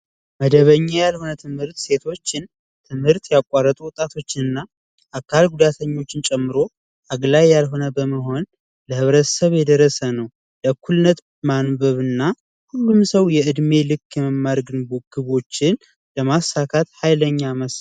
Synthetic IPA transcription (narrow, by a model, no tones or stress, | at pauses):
məd̪əβəɲːajalho̞nət̪ʰɨmhɨɾt̪se̞t̪ʰo̞t͡ʃːɪn | t̪ʰɨmhɨɾt̪jakʷʼarːət̪ʼuwɔt̪ʼat̪ʰo̞t͡ʃːɪnɨnːa | ʔakʰːalɡud̪at̪ʰəɲːo̞t͡ʃːɪnt͡ʃʼɛmːɨɾo̞ | ʔaɡlajːalɦo̞nəbəməɦo̞n | ləhɨβɾət̪ʰsəβjɛd̪əɾːəsənəw | ləkʰːulɨnət̪ | manbəβɨnːa | hulːumsəwjɛɨd̪me̞lɨkːjɛməmːaɾɡɨnbɡ̥ɨβo̞t͡ʃːɪn | ləmasakʰat̪hajləɲːaməs